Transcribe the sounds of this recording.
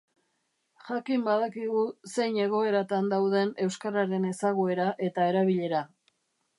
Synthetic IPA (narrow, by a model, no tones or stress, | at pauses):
ʝakimbaðakiɣuse̞jɲe̞ɣ̞o̞e̞ɾat̪and̪awðe̞ne̞wskaɾaɾe̞ne̞saɣoe̞ɾaʔe̞t̪ae̞ɾaβiʎe̞ɾa